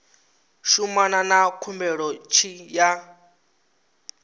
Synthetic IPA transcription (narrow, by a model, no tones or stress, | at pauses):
ʃumananakʰumbɛɺɔt͡ʃʰija